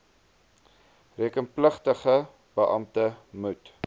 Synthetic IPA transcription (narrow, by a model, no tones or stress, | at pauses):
riəkənpləχtəχə | b̥əʔɐmtəmut